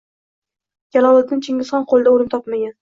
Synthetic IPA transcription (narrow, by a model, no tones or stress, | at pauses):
jʲalɒlˠat̪̚nɪnt͡ʃʰɪŋʲɪsχɑnqʰolˠɪd̪aoɾɪmt̪ʰɒpmaɡʲan